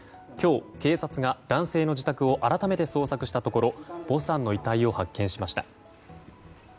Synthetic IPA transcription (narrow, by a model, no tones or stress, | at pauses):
kʲo̞ːke̞ːsat͡sɨɡad̪̥ãɰ̃se̞ːno̞d͡ʑit̪akɯ̟o̞ʔaɾat̪ame̞t̪e̞so̞ːsakɯ̟ɕi̥t̪at̪o̞ko̞ɾo̞b̥o̞sãnːo̞it̪aio̞hakːẽɰ̃ɕimaɕi̥t̪a